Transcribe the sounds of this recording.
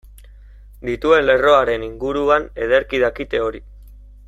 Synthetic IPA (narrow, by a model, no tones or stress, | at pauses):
d̪it̪ue̞nle̞ro̞aɾe̞niŋɡuɾuane̞ð̞e̞ɾkiðakit̪e̞o̞ɾi